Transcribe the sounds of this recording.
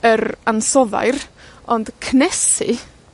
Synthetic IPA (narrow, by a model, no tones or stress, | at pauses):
əɾansɔða̰jrɔnd̥kʰnɛsɨ̰